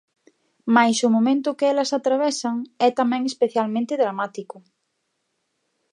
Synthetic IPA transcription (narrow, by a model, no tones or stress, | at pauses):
majsʊmomẽnt̪ʊkɪɛlɐsat̪ɾaβɛsɐŋɛt̪amɛ̃ŋespeθjalmẽnt̪ɪðɾamat̪ikʊ